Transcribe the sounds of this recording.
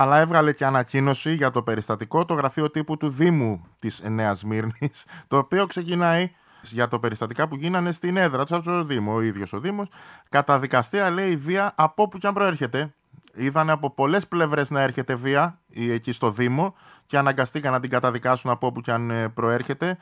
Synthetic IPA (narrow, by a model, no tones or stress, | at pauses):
ɐlɐe̞vɣɐle̞ceɐnɐcino̞siʝɐt̪o̞pe̞ɾist̪ɐt̪iko̞t̪o̞ɣɾɐfio̞t̪iput̪uðimut̪izne̞ɐzmiɾnist̪o̞ːpio̞kse̞cinɐi | sʝɐt̪ope̞ɾist̪ɐt̪ikɐpuʝinɐne̞st̪ine̞ðɾɐt̪osɐft̪oooðimoːiðʝo̞so̞ðimo̞skɐt̪ɐðikɐst̪iɐle̞iviɐʔɐpo̞pucɐmpɾo̞e̞ɾçe̞t̪e̞ | iðɐne̞ɐpo̞po̞le̞sple̞vɾe̞znɐe̞ɾçe̞t̪e̞viɐ | ie̞cist̪o̞ðimo̞ | ce̞ɐnɐŋɡɐst̪ikɐnɐt̪iŋɡɐt̪ɐðikɐsunɐpopucɐnpɾo̞e̞ɾçe̞t̪e̞